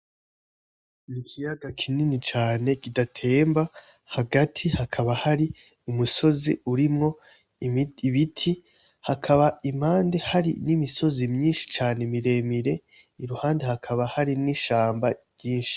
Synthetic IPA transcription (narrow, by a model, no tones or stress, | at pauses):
nikʰijaɡakʰininit͡ʃaːne̞kidatʰe̞ːmba | haɡatʰihakʰaβahaɾi | umuso̞zḭuɾimŋo̞ | βitʰi | hakʰaβaim̥haːnde̞haɾḭnimiso̞zimɲiːnʃi̥t͡ʃaːnemiɾe̞ːmiɾe̞ | iɾuhaːnde̞hakʰaβahaɾiniʃaːmbaɟ̥iːnʃi̥